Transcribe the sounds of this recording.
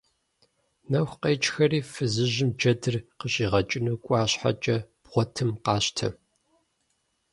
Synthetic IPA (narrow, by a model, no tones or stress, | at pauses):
nɐxʷqeːt͡ʃʼxɐriːfɨzɨʑɪmd͡ʒɐdɨrqəɕʼiːʁɐt͡ʃʼɪnuːkʷʼɑːɕħa̰t͡ʃʼɐb̥ʁʷɔtʰɨmqɑːɕtʰɐ̰